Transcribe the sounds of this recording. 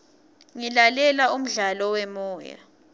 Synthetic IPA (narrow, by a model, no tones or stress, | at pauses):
ŋilalɛlaum̩ɮalɔwɛmɔːja̰